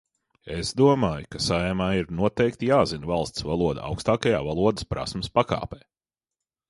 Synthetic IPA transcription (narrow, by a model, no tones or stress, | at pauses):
ezd̪uɔmaːjukasajɛmaːiɾnuɔt̪ɛjk̚t̪ijaːzinvalˠst̪svalˠuɔd̪a̰a̰wkst̪aːkajaːvalˠuɔd̪ɨspɾa̰smɐspaka̰ːpɛː